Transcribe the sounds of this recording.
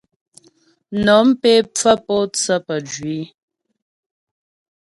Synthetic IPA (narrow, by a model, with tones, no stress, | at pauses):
nɔ˨˦mpe˦p͡fə˦pɔ˦t͡sə˦pə˨d͡ʒɥi˨˦